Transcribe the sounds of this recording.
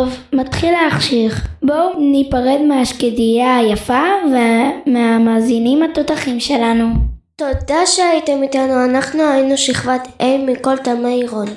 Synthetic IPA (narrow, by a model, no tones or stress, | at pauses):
vmat̪χileaχʃiχbonipaʁed̪meaʃkedijajafavemeamaːzinimhat̪ot̪aχimʃe̞lanu | t̪od̪aʃeait̪emit̪anuanaχnuainuʃiχvatejmiko̞lt̪amaiʁon